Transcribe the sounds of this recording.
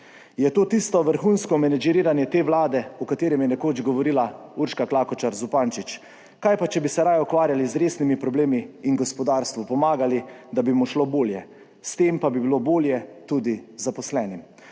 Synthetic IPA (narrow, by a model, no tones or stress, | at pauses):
jɛt̪oːt̪ist̪ɔʋəɾxunskɔmɛnɛd͡ʒiɾiːɾanjɛt̪eːʋlaːd̪ɛukat̪eːɾɛmjɛnɛkoːd͡ʒɡɔʋɔɾilauɾʃkaklaːkɔt͡ʃaɾzupaːnt͡ʃit͡ʃ | kajpat͡ʃɛbisɛɾaːjɔkʋaːɾjalizɾeːsnimipɾɔbleːmiːnɡɔspɔd̪aːɾst̪ʋupɔmaːɡalid̪abimuʃloboːljɛ | st̪empabibiloboːljɛt̪ud̪izapɔslɛːnim